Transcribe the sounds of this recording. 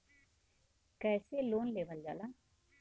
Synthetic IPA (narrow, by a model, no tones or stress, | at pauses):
kɛːseloːnleːʋəld͡ʒa̰ːlaː